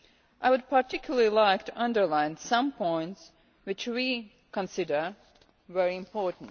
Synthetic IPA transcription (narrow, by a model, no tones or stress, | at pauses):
ʔaɪwʊd̚pʰaɹtɪkʰjl̩ˠəlilaɪktʰuʔʌ̃ndə˞lãɪ̃nsʌ̃mpʰɔ̃ɪ̃nts | wɪt͡ʃwi | kə̃nsɪdə˞ | vɛɹiɪ̃mpʰɔɹtn̩t